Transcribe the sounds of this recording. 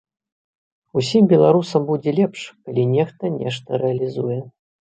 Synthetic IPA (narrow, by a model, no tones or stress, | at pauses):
usʲimbʲɛlˠaɾusɐmbud͡zʲɛlʲɛpʂkalʲinʲɛxt̪ɐnʲɛʂt̪ɐɾɛɐlʲizujɛ